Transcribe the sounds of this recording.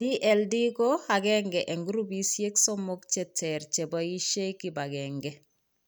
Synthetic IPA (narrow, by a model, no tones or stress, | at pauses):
diʔeldikoaɡeŋɡeʔeŋɡuɾubisieksomokt͡ʃetʰeɾt͡ʃebajiʃekibaɡeŋɡe